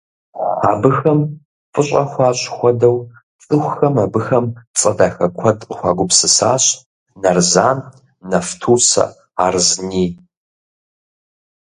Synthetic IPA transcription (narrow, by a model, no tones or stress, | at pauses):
aːbɨxɐm | fʼɨɕʷʼɐxʷɑːɕʼxʷɔdɐw | t͡sʼɨxʷxɐmaːbɨxɐmt͡sʼɐdaːxɐkʷʰɐdʼqʼxʷaːɡʷʊpsɨsaːɕ | nɐrzaːn | nɐftʰuːsɐ̰ | aːrzniː